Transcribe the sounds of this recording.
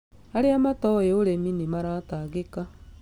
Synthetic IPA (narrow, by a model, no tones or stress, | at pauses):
aɾeamatɔjeoɾeminimaɾataɡeka